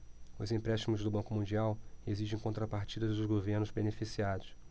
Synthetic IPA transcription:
ʊzĩpɾɛʃt͡ʃimʊzd̪ʊbɐ̃ŋkʊmũnd͡ʒiaweziʒẽj̃kõnt̪ɾɐpaɾt͡ʃid̪ɐzd̪ʊzɡoveɾnʊzbenefisiad̪ʊs

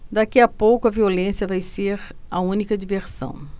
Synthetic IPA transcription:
d̪akiɐpowkʊɐviolẽsjɐvajseɾ | ɐũnikɐd͡ʒiveɾsɐ̰̃w̃

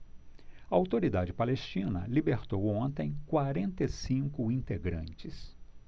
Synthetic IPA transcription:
ɐawt̪oɾid̪ad͡ʒɪpalest͡ʃĩnɐ̰libeɾt̪owõnt̪ẽj̃kwaɾẽnt̪esĩŋkʊĩnt̪eɡɾɐ̰̃nt͡ʃɪs

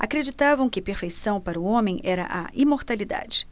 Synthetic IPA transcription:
a̰kɾed͡ʒit̪avɐ̃w̃kɪpeɾfejsɐ̃w̃paɾɐʊõmẽj̃ʔɛɾɐ̰ʔaimoɾt̪alid̪a̰d͡ʒɪ̥

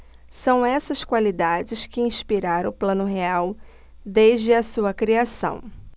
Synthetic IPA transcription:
sɐ̃w̃ɛsɐskwalid̪ad͡ʒɪskɪĩspiɾaɾʊplɐ̃nʊɦeaw | d̪eʒd͡ʒɪɐsuɐkɾiasɐ̰̃w̃

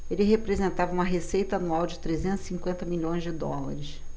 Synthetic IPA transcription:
elɪɦepɾezẽnt̪avɐũmɐɦesejt̪ɐanuawd͡ʒɪt̪ɾezẽnt̪zɪ̥sĩŋkwẽnt̪ɐmiʎõj̃zd͡ʒɪd̪ɔla̰ɾɪʃ

